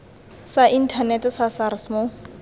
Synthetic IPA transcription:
saʔin̩tʰanɛtɛsasarɪsmo

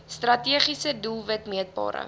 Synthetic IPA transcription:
strɐtiəχisədulˠvətmiət̚bɑ̰ːɾə̰

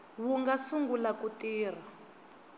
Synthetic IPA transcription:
wuŋɡasuŋɡulakutiːr̤a

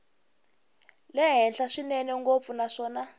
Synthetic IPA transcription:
lɛɦɛnɬaʂinɛnɛŋɡop̪funaʂɔːna

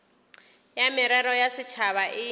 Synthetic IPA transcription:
jamɪɾɛɾɔjasɪt͡ʃʰaβaʔɪ

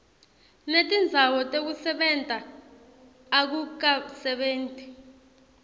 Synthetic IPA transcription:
netʼind͡zʱawɔtʼek̬usɛɓɛntʼa | k̬uk̬asɛɓeːntʼi

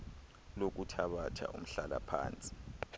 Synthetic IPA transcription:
lok̬utʰaɓatʰa̰ʔum̩ɬala̰pʰa̰ːnt͡sʼi̥

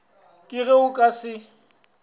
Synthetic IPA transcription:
kʼɪɣeʊkʼasɪ

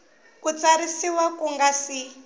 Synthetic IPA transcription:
kut͡saɾisiwakuŋɡasi

